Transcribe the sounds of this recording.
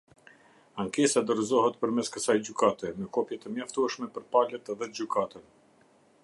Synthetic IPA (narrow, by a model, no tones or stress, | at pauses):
aŋkɛsad̪əɾzɔɦɛt̪pəɾmɛskəsajd͡ʑykat̪ɛmɛkɔpjɛt̪əmjaft̪uɛʃmɛpəɾpalɛt̪ɛðɛd͡ʑykʰat̪ən